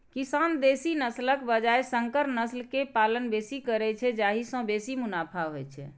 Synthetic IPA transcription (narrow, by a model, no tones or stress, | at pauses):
kisand̪esinəsləkbəd͡ʒaesəŋkəɾnəslkepalənbesikəɾɛt͡ʃʰɛd͡ʒaɦisə̃besimunapʰaɦojt͡ʃʰɛ̰